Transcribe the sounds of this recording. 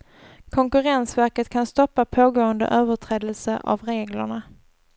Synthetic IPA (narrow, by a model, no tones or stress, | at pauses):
kʰɔŋkɵɾɛnsvæɾkət̪kʰanst̪ɔpːapʰoːɡoːənd̪ə̰ʔøːvəʈʰɾɛːd̪əlsəʔa̰vɾeːɡlə̰ɳa